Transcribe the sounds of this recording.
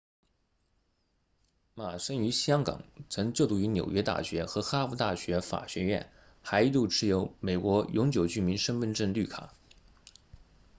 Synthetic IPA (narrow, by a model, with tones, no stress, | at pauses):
ma˨˩ʂə˥ŋy˧˥ɕjɑ˥ŋkɑ̰˨˩ŋt͡sʰɤ˧˥ŋt͡ɕjo˥˧ʊt̪u˥y˧˥njo̰˨˩ʊɥʔɛ˥t̪a̰˥˩ɕɥɛ˧˥xɤ˧˥xa˥fu˧˥t̪a̰˥˩ɕɥɛ˧˥fa̰˨˩ɕɥɛ˧˥ɥɛ̰˥˩n | xa˧˥ɪi˧˥t̪u˥˩ʈ͡ʂɻ̩˥jo˧˥ʊme˨˩ɪkwɔ˧˥jʔʊ˧˥ŋt͡ɕjo˨˩ʊt͡ɕy˥˩mi˧˥nʂə˥ŋfə˥˧nʈ͡ʂə˥˧nly˥˩kʰa̰˨˩˦